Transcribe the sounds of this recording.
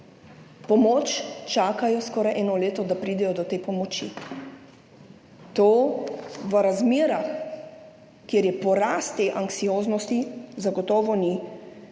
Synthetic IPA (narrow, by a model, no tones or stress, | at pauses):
pɔmoːt͡ʃt͡ʃaːkajɔskɔːɾajʔɛːnɔleːt̪ɔd̪apɾiːd̪ɛjɔd̪ɔt̪eːpɔmɔt͡ʃḭ | t̪oː | ʋəɾazmeːɾax | kjeːɾjɛpɔɾast̪ːeʔaŋksijoːznɔst̪izaɡɔt̪ɔːʋɔni